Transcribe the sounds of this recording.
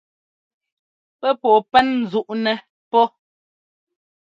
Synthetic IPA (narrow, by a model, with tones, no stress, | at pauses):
pɛ˦pɔ˨pɛ˦nn̩˨zu˦ʔnɛ˨ | pɔ˦